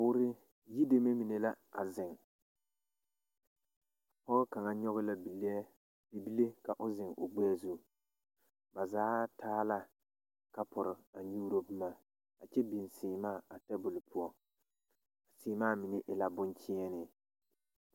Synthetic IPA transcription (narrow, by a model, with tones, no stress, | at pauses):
pʊː˦ɾɪ˦ | ji˦de˦me˦mi˨ne˨la˦ | a̰˨zɪ˨ŋ | pɔ˦ɣʊ˦ka˨ŋa˨ɲɔ˦ɣʊ˦la˦bi˨le˦ | be˨bi˦le˦ka˨ʔʊ˦zɪ˨ŋʊ̰˨ɡ͡bɛ˦zu˦˨ | ba˨zaː˦tʰaː˦la˦ | ka˦pʊ˨ɾɪ˨a˨ɲuː˦ɾo˦bɪ˦ma˦˨ | a˨t͡ʃɛ˦bi˨nsɪː˨maː˦˨a˨tɛ˦bʊ˨lʊ˨pʊ˦ɔ˦ | a˨siː˨maː˦˨mi˨ne˦ʔɪ˨la˨bʊ˦nt͡ʃɪ˦ɛ˦nɪ˦